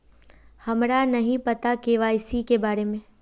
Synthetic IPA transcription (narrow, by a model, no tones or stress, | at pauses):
hɐmɾanɐɦĩpɐt̪akeːʋaɪsikebaːɾemẽː